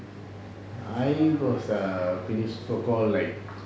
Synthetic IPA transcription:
ajwɔsəfinistokɔllajk̚

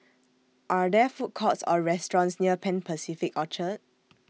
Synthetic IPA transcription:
ʔadɛfut̚kʰɔtsɔ̰ɹɛstɹɔ̃nsniəpʰɛ̃npʰəsifikɔt͡ʃət̚

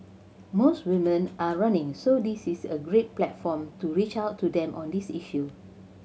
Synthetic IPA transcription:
mostwĩmə̃nʔaɹãnɪ̃ŋsodisisəɡɹet̚plɛtfɔ̃mtuɹit͡ʃaʊtʰːudɛ̃mʔɔ̃ndisiʃu

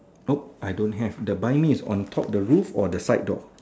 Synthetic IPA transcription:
op̚ʔajdõnɦɛvdəbajmĩsɔ̰̃ntʰɔp̚dəɹufɔdəsajt̚dɔ̰

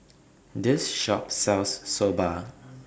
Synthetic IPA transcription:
dɪsʃɔpsɛlsːoba

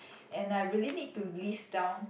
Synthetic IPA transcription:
ʔɛ̃najɹilinid̚tulisdãʊ̃n

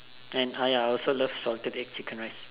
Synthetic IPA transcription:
ɛ̃najaɔlsoləfsɔltədɛkt͡ʃʰikə̃nɹis

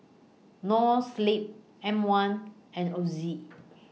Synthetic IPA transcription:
nɔslip̚ | ɛ̃mwãn | ɛ̃nozi

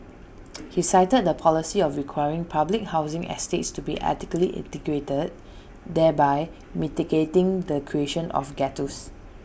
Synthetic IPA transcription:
hisaɪtəd̚dəpʰɔlisiɔfɹikʰwajɹĩŋpʰablɪk̚hawzɪ̃ŋɛ̰stetstubḭʔa̰tikəliʔɛ̰̃tikɹetəd̚ | dɛbaɪ | mitiɡetɪ̃ŋdəkʰɹieʃə̃nʔɔ̰fɡɛtus

